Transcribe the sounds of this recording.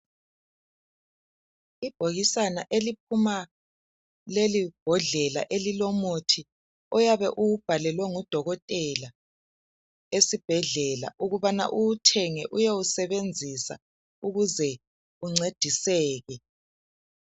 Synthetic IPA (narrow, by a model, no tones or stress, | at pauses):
ib̥ʱoɣisanaʔelip̚ʰuma | lelib̥ʱɔɮɛla̰ʔelilɔmotʰi | ɔjaβɛʔuub̥ʱalɛlwɛŋɔd̥ʱɔɣɔtʼɛla | esib̥ʱɛɮɛla̰ʔuɣuβana̰ʔutʰɛŋɛʔujeusɛβend͡zʱisa̰ | uɣuzɛ | uŋ͡ǀed̥ʱisɛːɣɛ